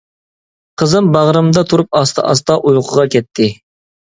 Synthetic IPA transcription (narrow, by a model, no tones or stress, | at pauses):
qʰəzɨmbɑʁɾɨmd̪ɑt̪ʰuɾup̚ɑst̪ʰɑ̰ʔɑst̪ɑʔujqʰəʁɑkʲɛt̪ʰːɪ